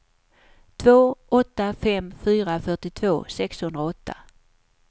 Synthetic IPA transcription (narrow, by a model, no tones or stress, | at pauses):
t̪ʰvoːɔt̪ːafɛmfyːɾafœʈɪt̪ʰvoːsɛkshɵnd̪ɾaɔt̪ʰːa̰